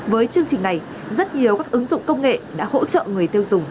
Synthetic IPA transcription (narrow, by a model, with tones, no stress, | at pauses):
vəː˨˦jt͡ɕɨ˧əŋt͡ɕï˨˩ŋ̟na˨˩j | zə˦˥t̚ɲi˨˩əwkaː˦˥k̚ʔɨ˨˦ŋzʊ̰˧˨ŋ͡mkə˧wŋ͡mŋḛ˧˨ɗa̰ː˧˥ho̰˧˥t͡ɕə̰ː˧˨ŋɨ˨˩əjt̪e˧wzʊ˨˩ŋ͡m